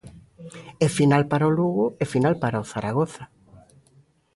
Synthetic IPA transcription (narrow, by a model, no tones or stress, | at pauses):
efinalpaɾoluɣʊefinalpaɾaoθaɾaɣoθa